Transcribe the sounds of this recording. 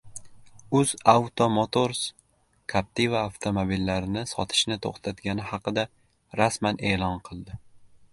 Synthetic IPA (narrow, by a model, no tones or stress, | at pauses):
ʊz̥awt̪ʰomot̪ʰoɾs | kʰap̚t̪ʰivaːft̪ʰomobilːaɾɪnɪsɒt̪ʰɪ̥ʃnɪt̪ʰo̰χt̪ʰat̪ɡʲanɪhɑqɨd̪a | ɾasmanʔe̞ːlˠɒnqʰɨlˠd̪ɪ